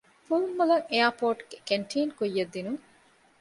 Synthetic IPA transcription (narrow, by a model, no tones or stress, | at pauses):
fulmːulɐŋejɐpoːʈɡekeɳʈʰiːnkujːɐd̪ːinuŋ